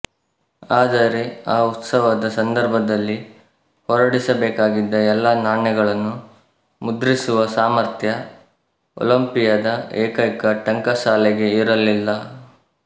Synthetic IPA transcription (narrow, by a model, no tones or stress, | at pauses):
aːd̪ɐɾe̞aːut̪sɐʋɐd̪ɐsɐnd̪ɐɾbʱɐd̪ɐlːi | hɔɾɐɽisɐbeːkaːɡid̪ːɐɛlːaːnaːɳjɐɡɐɭɐnːu | mud̪ɾisuʋɐsaːmɐɾt̪ʰjɐ | o̰lɐmpijɐd̪ɐeːkɐjkɐʈɐŋkɐʃaːlɛɡe̞iɾɐlːilːɐ